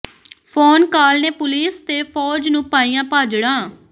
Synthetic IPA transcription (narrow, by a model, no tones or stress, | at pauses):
pʰɔːnkaːlneːpʊliːst̪eːfʰɔːd͡ʒnũːpaːijãːpaːd͡ʒɽãː